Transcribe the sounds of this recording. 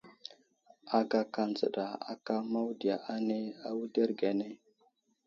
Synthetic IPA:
a˨ɡa˨ka˨nd͡zə̰˨ɗa˨a̰˨ka˦ma˦wdi˨ja˨ʔa˦ne˦a˦wu˦de˦ɾɡa˨ne˦

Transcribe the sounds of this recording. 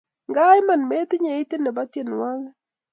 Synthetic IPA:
ŋɡa˦jma˨nme˦tɪ˦ɲe˨ɪ˦tɪ˦nɛ˨ba˦tje˨n˨wa˦ŋ˦

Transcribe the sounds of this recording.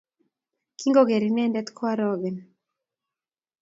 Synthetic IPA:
ki˦ŋɡo˦ɡe˨ɾi˨nɛ˦ndɛ˦t̪kʰwa˦ɾɔɡɛ˨n

